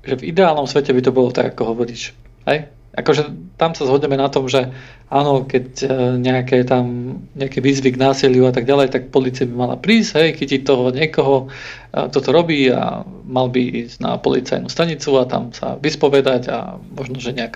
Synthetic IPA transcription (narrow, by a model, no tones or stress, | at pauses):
ʒɛvid̪ɛaːlnɔmsʋɛcɛbit̪ɔbɔlɔt̪a̰ɡakɔɦɔʋɔɾiːʃ | hɛj | ʔakɔʒɛt̪amsazɦɔdɲɛmɛnat̪ɔmʒɛ | aːnɔkɛcɲɛakɛt̪amɲɛakɛʋiːzʋiɡnaːsilɪuat̪aɡɟalɛjt̪ak̚pɔliːt͡siabimala̰pɾiːsɦɛjxicic̚t̪ɔɦɔɲɪɛkɔɦɔ | k̚t̪ɔt̪ɔɾɔbiːa̰ | malbiiːzna̰pɔ̰lḭt͡sa̰jnust̪aɲit͡suat̪a̰msa̰ʋispɔʋɛd̪aɟa̰mɔʒnɔʒɛɲɛak